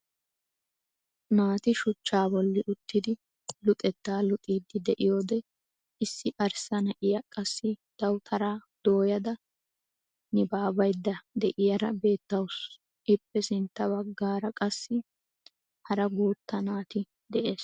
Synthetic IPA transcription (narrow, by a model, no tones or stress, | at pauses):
naːt̪ɪʃʊt͡ʃːaːbɔlːɪʔʊt̪ːɪd̪ɪ | lʊt̪ʼɛt̪ːaːlʊt̪ʼiːd̪ːɪd̪ɛʔɪjo̞ːd̪ɛ | ʔɪsːɪʔɐɾsɐnɐʔɪjɐkʼɐsːɪd̪̥ɐwt̪ʰɐɾaːd̪̥o̞ːjɐd̪ɐ | nɪbaːbɐjd̪ːɐd̪ɛʔɪjɐɾɐ̰be̞ːt̪ːɐws | ʔɪpːɛsɪnt̪ːɐbɐɡːaːɾɐkʼɐsːɪ | hɐɾɐɡuːt̪ːɐnaːt̪ɪ | d̪ɛʔe̞ːs